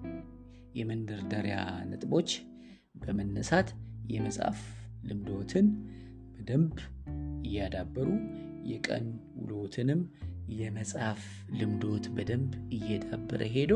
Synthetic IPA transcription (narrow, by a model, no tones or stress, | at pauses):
jɛmənd̪əɾd̪əɾja̰nɨ̰t̪ʼbo̞t͡ʃː | bəmənːəsat̪jɛməsʼa̰flɨmd̪o̞t̪ʰɨn | b̥əd̪əmbɨjːad̪abːəɾujɛkʼə̰nwʊ̰lo̞t̪ʰɨnɨmjɛməsʼhaf | lɨmd̪o̞t̪bəd̪əmbɨjːɛd̪abːəɾʔə̰ɦe̞d̪ə